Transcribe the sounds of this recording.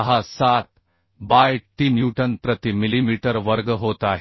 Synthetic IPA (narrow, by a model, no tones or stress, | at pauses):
ɦasat̪̚ | bajʈinjuʈənpɾət̪imilimiʈəɾʋəɾɡɦot̪aɦ